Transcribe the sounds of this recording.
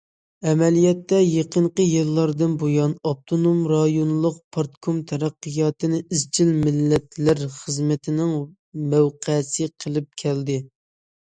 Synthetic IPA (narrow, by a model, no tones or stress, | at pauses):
ɛmɛlijɛt̪ːɛjeqəɴqəjilˠːɑɾd̪ɨnbojɑnɑp̚t̪ʰonomɾɑjonlˠʊq̚pʰɑɾt̪kʰomt̪ʰɛɾæqːɨjɑːt̪ɨnɪʔizt͡ʃʰilmɪlːɛt̪læɾχəzmɪt̪ʰɪnɪŋ | mæwqʰæsɪqʰəlˠɪp̚kʲʰɛld̪ɪ